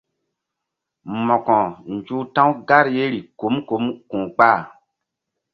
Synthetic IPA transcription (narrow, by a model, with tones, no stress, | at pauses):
mɔ˨kɔ̃˨n˨d͡ʒu˦tã˦wɡa˦ɾje˦ɾi˨ko˨˦mko˨˦mkũː˨k͡pa˦˨